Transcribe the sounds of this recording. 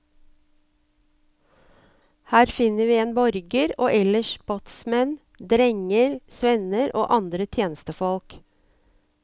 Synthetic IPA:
hæːɾfɪnəʋiːeːnbɔɾɡəɾoːʔɛləʃbɔt̪smɛn | d̪ɾɛŋəɾsʋɛnəɾo̰ːʔɑnd̪ɾət̪ʰjeːnəst̪əfɔlk

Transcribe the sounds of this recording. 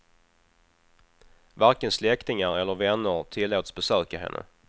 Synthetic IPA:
vaɾkənslɛkt̪ɪŋaɾɛlːəɾvɛnːəɾt̪ʰɪlːoːt̪sbɛsøːkaɦɛ̰nːʔə̰

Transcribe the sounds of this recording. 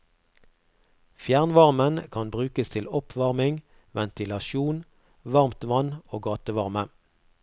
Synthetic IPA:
fjæʁnʋɑʁmənkʰɑnbʁʉːkəst̪ʰɪlɔpʰʋɑʁmɪŋ | ʋɛnt̪ɪlɑʃuːn | ʋɑʁmt̪ʋɑnoːɡɑːt̪əʋɑʁmə

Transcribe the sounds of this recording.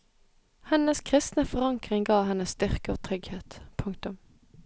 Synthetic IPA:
hɛnəskʰʁɪst̪nəfɔʁɑŋkʁɪŋɡɑːɦɛnəsst̪ʏʁkəoːt̪ʰʁʏɡheːt̪pʰʉŋkt̪ʊm

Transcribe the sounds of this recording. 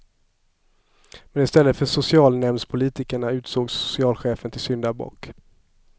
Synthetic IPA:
mɛnɪst̪ɛlːət̪fœʂʊsɪɑːlnɛmnspʰʊliːt̪ɪkəɳaʉ̟ːt̪soːɡsʊ̥sɪɑːlɧeːfənt̪ʰɪlsʏnd̪abɔ̰ːk

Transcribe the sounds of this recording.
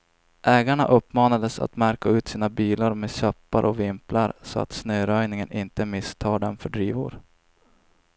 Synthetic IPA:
ʔɛːɡaɳa̰ʔɵpːmɑːnad̪əsa̰t̪mæɾkaʉ̟ːt̪siːnabiːlaɾmeːɕœpːaɾʔɔvɪmplaɾsɔa̰t̪snœːɾœjnɪŋənʔɪnt̪əmɪst̪ʰɑːɖɛnfœɖɾiːvʊ̰ɾ

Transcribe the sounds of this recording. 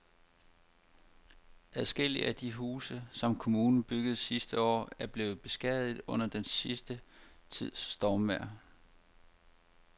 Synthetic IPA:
ʔæðˠsɡ̥el̰ḭʔæd̥iɦuːsəsɒ̽mkʰo̝muːnn̩b̥yɡ̥əð̩ˠsisd̥əɒ̰ːæɐb̥le̝ːð̩ˠb̥e̝sɡ̥ɛðˠð̩ˠɔ̽n̰ɐd̥ensisd̥ət͡sʰið̰ˠsːd̥ɒːmʋæɐ̰

